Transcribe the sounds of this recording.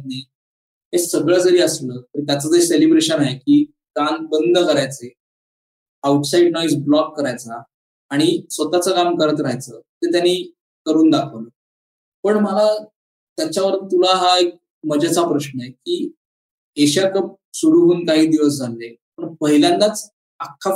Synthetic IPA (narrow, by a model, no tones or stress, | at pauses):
nːiː | ɦesəɡɭəd͡zəɾiːəsləːt̪əɾt̪jat͡səd͡zəɾselibɾeɕənaekiː | kan̚bənd̪ʱəkəɾajt͡se | auʈsaiɖnɔisblɔkːəɾajt͡saː | ɽ̃isʋət̪at͡səkamkəɾət̪ɾaɦjt͡səːt̪ət̪janːi | kəɾuːnd̪akʰəʋlə | pəɳməla | t̪jat͡ɕjaʋəɾt̪t̪ulaɦaek̚ | məd͡ʑʱat͡sapɾəɕnəekiː | eɕakəp̚ | suɽuɦuːnkaɦiːd̪iʋəs̬d͡zʱalːepəɳpəɦiljãnːat͡s | akʰːa